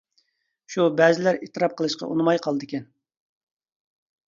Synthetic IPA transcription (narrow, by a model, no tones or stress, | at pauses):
ʃubɛzɪlæɾet̪ʰːɨɾɑp̚qʰəlˠɨʃqɑ̰ʔṵnɨmɑjqʰɑlˠɨd̪ɨkʲɛn